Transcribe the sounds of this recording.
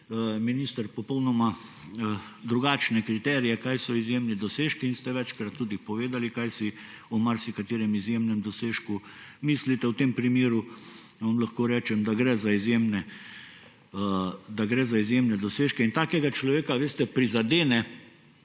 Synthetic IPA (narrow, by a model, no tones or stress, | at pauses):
minist̪əɾpɔpɔwnɔma | d̪ɾuɡaːt͡ʃnɛkɾit̪ɛːɾijɛkajsɔizjemnid̪ɔseːʃkiːnst̪ɛʋɛt͡ʃkɾat̪ːuːd̪ipɔʋeːd̪alikajsi | umaɾsikat̪iːɾɛmizjemnɛmd̪ɔseːʃkumislit̪ɛwt̪empɾimjeːɾu | ʋamlaxkoːɾɛːt͡ʃɛmd̪aɡɾɛzaizjeːmnɛ | d̪aɡɾɛːzaizjemnɛd̪ɔseːʃkɛint̪aːkɛɡat͡ʃlɔʋeːkaʋeːst̪ɛpɾizad̪eːnɛ